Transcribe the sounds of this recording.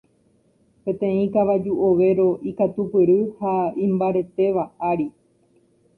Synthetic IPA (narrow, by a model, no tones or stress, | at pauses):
pẽ̞t̪ẽ̞ĩkaʋad͡ʒuʔoʋe̞ɾo̞ʔikat̪upɨɾɨhaĩmbaɾe̞t̪e̞ʋaaɾi